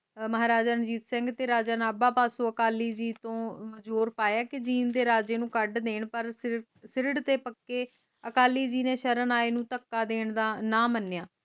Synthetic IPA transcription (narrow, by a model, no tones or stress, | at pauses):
məɦaːɾaːd͡ʒaːnəd͡ʒiːt̪sɪŋɡt̪eːɾaːd͡ʒaːnaːbaːpaːsõːəkaːliːd͡ʒiːt̪õːməd͡ʒuːɾpaːjaːkɪd͡ʒiːnd̪eːɾaːd͡ʒeːnũːkəɖd̪eːɳpəɾs | sɪɾɪɖt̪eːpəkːeː | əkaːliːd͡ʒiːnẽːʃəɾənaːeːnũːt̪əkːaːd̪eːɳd̪aːnãːmənːejaː